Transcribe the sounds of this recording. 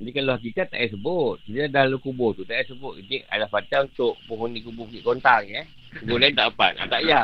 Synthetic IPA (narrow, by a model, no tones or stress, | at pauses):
dikalohak̬ikat̪a̰ʔjaʔs̬əbʊt̪̚kit̪adalukubot̪ut̪aʔjaʔsəbʊt̪̚id͡ʒiʔa̰lapataunt̪ʊʔpuɦunikubʊukiʔkont̪aŋɛ | səɡulaint̪aʔəpa̰t̪̚a̰t̪aʔja